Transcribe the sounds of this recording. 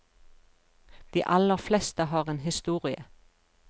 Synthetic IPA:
d̪̥ḭːʔɑləʁflest̪əɦɑːʁeːnɦɪst̪uːʁɪə

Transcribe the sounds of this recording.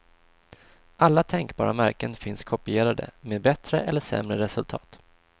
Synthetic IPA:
ʔalːat̪ʰɛŋkbɑ̰ːɾamæɾkənfɪnskʰɔpɪeːɾad̪ə̰meːd̪bɛt̪ɾəʔɛlːəʂɛ̰mɾəɾɛsɵlt̪ʰɑ̰ːt̪

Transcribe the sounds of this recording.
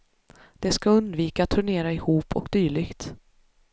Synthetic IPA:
d̪̥ɛskaɵnd̪viːkat̪ʰːɵɳeːɾaɪhuːpʰɔ̰kd̪̥yːɭɪɡt̪

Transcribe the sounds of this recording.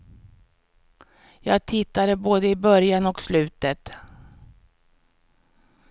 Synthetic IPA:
jɑːɡ̚t̪ʰɪt̪ːad̪əboːd̪əɪbœɾjanɔkslʉ̟ːt̪ət̪

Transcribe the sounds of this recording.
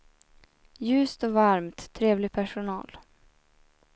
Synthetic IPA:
jʉ̟ːst̪ɔvaɾmt̪ʰːɾeːvlɪɡpʰæʂʊnɑːl

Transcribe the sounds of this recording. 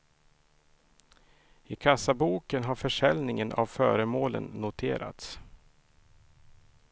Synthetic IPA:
ɪkʰasabuːkənɦaɾfœʂɛlnɪŋənʔa̰vfœːɾəmoːlə̰nːʊt̪ʰeːɾa̰t̪s

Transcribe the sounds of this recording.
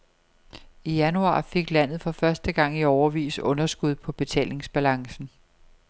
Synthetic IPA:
ijænuɑ̰̈ːfe̝ɡ̥læn̰ð̞̩ˠfɒ̽fɶɐsd̥əɡ̥ɑ̈ŋ̰iɒʊɐʋḭːsɔ̽nɐsɡ̥uð̞ˠpʰɒ̽b̥e̝t͡sʰɛ̰ːle̝ŋsb̥ælɑ̈ŋsn̩

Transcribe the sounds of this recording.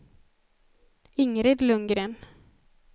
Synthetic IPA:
ɪŋɾɪd̪lɵŋɡɾeːn

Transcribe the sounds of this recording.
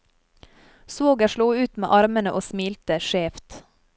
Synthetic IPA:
soːɡəʃɭuːʉːt̪mḛːʔɑɾmənəʔoːsmiːlt̪əʃeːft̪

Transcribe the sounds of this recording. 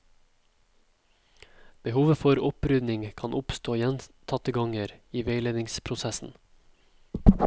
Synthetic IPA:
b̥əhuːʋəfɔɾʊpɾʏd̪nɪŋkʰɑnʔʊpst̪oːjɛnt̪ʰɑt̪əɡɑŋəɾiːʋeɪleːd̪ɪŋspʰɾʊsɛsn̩

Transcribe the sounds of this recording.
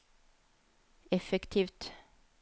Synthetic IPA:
ɛfɛkt̪ʰiːʋt̪

